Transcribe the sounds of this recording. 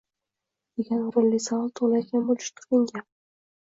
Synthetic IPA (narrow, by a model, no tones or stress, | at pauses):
d̪̥e̞ɡʲanɾʊlːijsavɑlˠt̪ʰoʁlˠajkʲʰanbolˠɪʃt̪ʰʊ̥lˠɪŋɡʲan